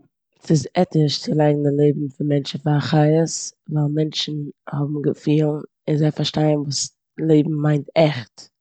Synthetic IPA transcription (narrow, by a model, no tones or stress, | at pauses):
sɪzɛtɪʃt͡sɪlˠaɪɡŋ̩dɪlˠeɪbm̩fɪnmɛnt͡ʃn̩faaχaɪəsvaɪlˠmɛnʃn̩hɔbm̩ɡəfiːlˠn | ɪnzeɪfaɾʃtaɪənvuːs | lˠeɪbm̩maɪntɛχt